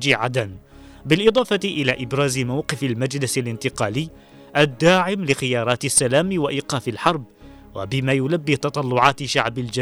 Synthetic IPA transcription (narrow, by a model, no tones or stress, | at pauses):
d͡ʒiʕad̪an | bɪlʔɪd̪ˤɑːfɑt̪ɪʔɪlaːʔɪbɾɑːzɪmawqɪfalmad͡ʒlɪsalɪnt̪ɪqɑːlɪː | ʔad̪ːaːʕɪmlɪxɪjɑːɾˤɑːt̪ɪsːalaːmɪwaʔiːqɑːfɪlħɑɾˤb̚ | wa̰bɪmaːjʊlabːit̪ɑt̪ˤɑlːʊʕɑːt̪ʃaʕbald͡ʒa